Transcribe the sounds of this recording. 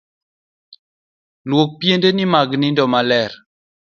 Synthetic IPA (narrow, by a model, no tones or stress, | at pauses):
lwok̚pjendenimaɡnindɔmalɛɾ